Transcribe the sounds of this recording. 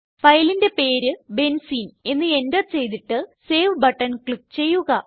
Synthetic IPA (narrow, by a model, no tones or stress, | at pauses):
fɐjlinde̞pe̞ːɾɨbe̞nsiːne̞nːɨe̞ndɐtt͡ɕe̞jt̪̬iʈːɨseːʋbɐʈːɐnkɭik̚t͡ɕe̞jːuɣɐ